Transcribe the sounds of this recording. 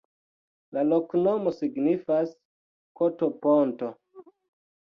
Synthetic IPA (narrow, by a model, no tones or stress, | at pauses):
laloknomosiɡnifas | kotoponto